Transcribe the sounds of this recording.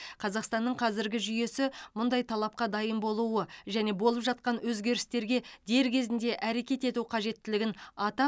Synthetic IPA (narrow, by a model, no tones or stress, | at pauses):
qʰɑzɑqst̪ɑnːəɴqʰɑzɪɾɡʲɪʒʏje̞sɪmʊnd̪ɑjt̪ʰɑlˠɑp̚qɑd̪ɑjəmbo̞lˠuəʒæne̞bo̞lˠəpʒɑt̪̚qɑnwɵzɡʲe̞ɾɪst̪e̞ɾɡʲe̞d̪̥e̞ɾkʲʰe̞zɪnd̪e̞ʔæɾe̞kʲe̞t̪e̞t̪uqʰɑʒe̞t̪ːɪlɪɡʲɪnɑt̪ɑ